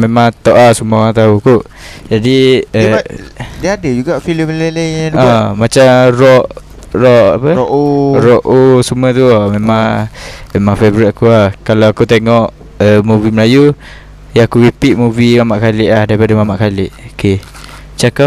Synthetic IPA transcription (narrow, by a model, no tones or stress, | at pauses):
memãŋt̪ɔʔlasumə̃oɣaŋt̪aukuʔ | d͡ʒadiə | diəadəd͡ʒuɡafiləmlelaluaamat͡ʃamrɔʔ | rɔʔa̰pəʔoɾɔʔosumət̪̬umemaŋmemãŋfebɾit̪̚akuahkalawakut̪eŋɔʔ | əmuviməlaju | jaakuɾipiʔ̪̚muvimamaʔkalɪʔlahdaɾipadamamaʔkalɪʔoke | t͡ʃakap̚